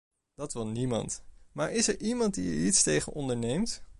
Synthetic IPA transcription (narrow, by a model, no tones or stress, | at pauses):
d̥ɑtʋɪlˠnimɑ̰ntmaːɹɪsɛɹʔimɑnt̚diə̰itstejχə̰nɔndəɹnejmt